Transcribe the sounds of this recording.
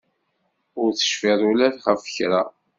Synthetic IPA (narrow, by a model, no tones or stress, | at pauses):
ʊɾθə̥ʃfiðˤulæθχəfə̥çɾa